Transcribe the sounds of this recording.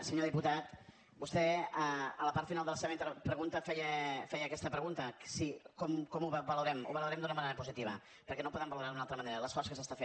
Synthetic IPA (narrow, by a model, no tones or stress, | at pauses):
səɲoðiput̪at̪ | bust̪ɛəələpaɾt̪finalˠd̪əlˠseβent̪ɾpɾəɣunt̪əfɛjəfɛjəːkɛst̪əpɾəɣunt̪əsikɔmkɔmuββəluɾɛmṵβəluɾɛmd̪unəməneɾəpuzit̪iβ̞ə̰ | pəɾkɛnopɔðɛmbəluɾaðunalˠt̪ɾəmɐneɾələsfɔskəsəst̪afen